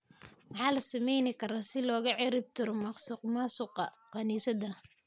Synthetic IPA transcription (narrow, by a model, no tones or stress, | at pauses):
mɑħɑːlɐsɐmɛjnɪkʰɐɾaːsɪlɔːɣɐʕɪɾɪb̚t̪ʰɪɾɔmɑqsʊqmɑsʊqɑ | qɑniːsɐd̪ɐ